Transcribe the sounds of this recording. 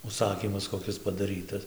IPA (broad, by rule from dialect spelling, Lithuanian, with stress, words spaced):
ʊʃˈsɑːkʲiːmɐs koːˈkʲɪs pɐdɐˈrʲiːtɐs